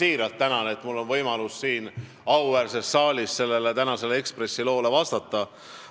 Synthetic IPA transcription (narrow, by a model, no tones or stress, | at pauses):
iːɾɑlt̪ːænɑnet̪mulːo̞nvɤjmɑlusːiːn | ɑwværse̞sːɑːlʲisːse̞lːe̞le̞t̪ænɑse̞lee̞kspre̞sːilo̞ːle̞vɑst̪ɑt̪ːˑɑ